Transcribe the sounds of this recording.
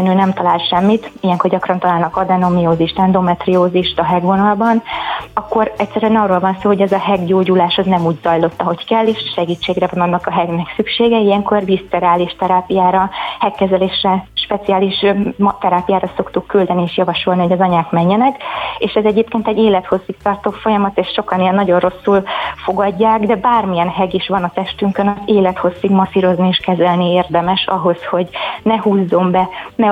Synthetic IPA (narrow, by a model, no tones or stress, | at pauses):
nøːnɛmt̪ɒlaːlt̪ʃɛmːit̪ijɛŋko̞rɟɒkrɒnt̪ɒlaːlnɒkɒd̪ɛno̞mijoːziʃt̪ɛnd̪o̞mɛt̪rioːziʃt̪ɒɦɛɡvo̞nɒlbɒnɒkːo̞ɾɛcsɛɾyɛnɒrːoːlvɒnsoːhoɟɛzɒɦɛɡɟoːɟulaːʃɒznɛmuːɟzɒjlo̞t̪ːɒɦo̞ckɛlːeːʃʃɛɡiːt͡ʃːeːɡrɛvɒnɒnːɒkɒɦɛɡnɛksykʃeːɡɛijɛŋko̞rd̪ist̪ɛɾaːliʃt̪ɛɾaːpijaːɾɒhɛkːɛzɛleːʃrɛʃpɛt̪sijaːliʃmt̪ɛɾaːpijaːɾɒso̞kt̪ukːyld̪ɛnieːʃjɒvɒʃo̞lnihoɟɒzɒɲaːkmɛɲːɛnɛkeːʃɛzɛɟeːpkeːnt̪ɛɟːeːlɛt̪ho̞sːik̚t̪ɒrt̪oːfo̞jɒmɒt̪eːʃʃo̞kɒniɛnːɒɟo̞nro̞sːulfo̞ɡɒɟːaːɡd̪ɛbaːrmijɛnɦɛɡiʃʋɒnɒt̪ɛʃt̪yŋkønɒzeːlɛt̪ho̞sːiɡmɒsiɾo̞znieːʃkɛzɛlnieːrd̪ɛmɛʃɒɦo̞sho̞ɟnɛhuːzːo̞mbɛnɛ